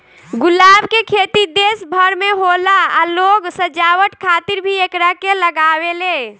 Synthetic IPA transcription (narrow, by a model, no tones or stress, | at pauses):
ɡulaːbkekʰet̪id̪esbʱəɾmeɦolaaloɡsəd͡ʒawəʈ̪kʰaːt̪iɾbʱiekɾakeləɡawele